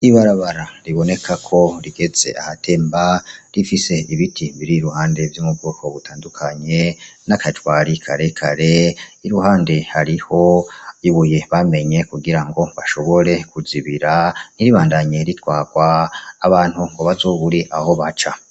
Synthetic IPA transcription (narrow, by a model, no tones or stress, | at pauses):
iβaɾaβaɾaɾiβo̞ne̞kʰakʰo̞ɾiɡe̞z̥e̞̰ahatʰe̞ːmbaɾifise̞iβitʰiβiɾiɾuhaːnde̞vjuːmub̚ɡoːko̞βutʰaːndukʰaɲe̞nakatwaːɾikʰaɾe̞kʰa̰ɾe̞iɾuɦaːnde̞haɾiho̞iβuje̞βame̞ɲe̞kuɡiɾaŋɡo̞βaʃo̞βo̞ɾe̞kuziβiɾaniɾiβaːndaɲe̞ɾitwaːɡ̥waːβaːn̥huŋɡo̞βazo̞βuɾiʔaho̞βat͡ʃa